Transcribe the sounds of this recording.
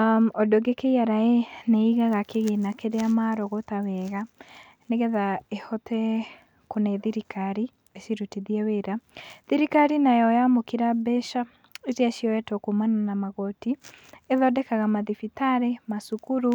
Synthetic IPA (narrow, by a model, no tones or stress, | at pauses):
ɔdoɡekeiaɾaeneiɣaɣakeɣenakeɾeamaɾɔɣotawɛɣa | neɣɛðaehɔtʰɛ | konɛðiɾikaɾi | eʃiɾutiðiɛweɾaðiɾikaɾinajɔjamokiɾabɛʃa | etiaʃiɔwɛtɔkomananamaɣɔtieðɔdɛkaɣamaðifitaɾemasukuɾu